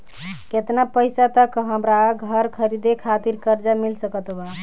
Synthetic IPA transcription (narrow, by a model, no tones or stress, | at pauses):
ket̪napəjsat̪əkɦəmɾaɡʱəɾkʰəɾid̪ekʰat̪iɾkəɾd͡ʒamilsəkət̪ba